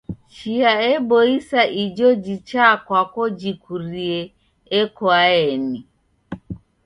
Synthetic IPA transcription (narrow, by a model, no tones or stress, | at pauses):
t͡ʃiaɛbɔisaʔid͡ʒɔd͡ʒit͡ʃakwakɔd͡ʒikuɾiɛ | ɛkwaɛni